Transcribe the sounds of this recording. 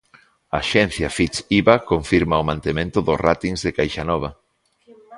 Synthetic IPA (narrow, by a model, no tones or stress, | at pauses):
ɐːʃɛn̟θjɐfit͡ʃiβakoɱfiɾmaʊmãnt̪emẽnt̪ʊðʊsrat̪iŋzðekajʃanɔβ̞ɐ